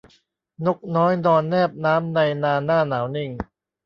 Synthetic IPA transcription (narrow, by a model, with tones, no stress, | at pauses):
no˦˩k̚nɔː˦˥jnɔː˧nːɛː˥˩p̚naː˦˥mna˧jnaː˧naː˥˩naː˩˦wni˧ŋ